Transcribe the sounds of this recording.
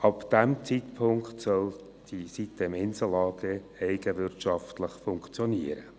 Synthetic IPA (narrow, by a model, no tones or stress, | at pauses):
ɑpd̥æmt͡sitpʰʊŋkχtsœl | d̥isitːəɪmɪnsəlːɑːɡ̥ə | ɛɪɡəʋɪrtʃɑftləχfʊŋkχt͡sjɔniəɾə